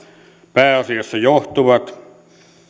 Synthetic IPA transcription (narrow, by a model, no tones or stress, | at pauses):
pæːɑsiosːɑjoht̪uʋɑt̪